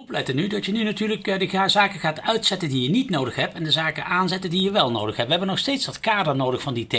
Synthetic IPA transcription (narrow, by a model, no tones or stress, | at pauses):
plɛjtənydɑtjənynatyːɹləkdəɣaːzaːkəχaːtœɥtsɛtəndijənitnowdəxɦɛp̚tɛndəzaːkəʔaːnzɛtəndijəʋɛlˠnowdəxɦɛp̚ʋəɦɛbənɔxstejtsdɑtkaːdəɹnowdəxfɑndite